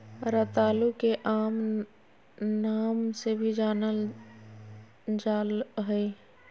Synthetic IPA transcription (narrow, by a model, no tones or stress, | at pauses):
ɾət̪aːlukeʔaːm | naːmsebʱid͡ʒaːnəl | d͡ʒaːlɦɛi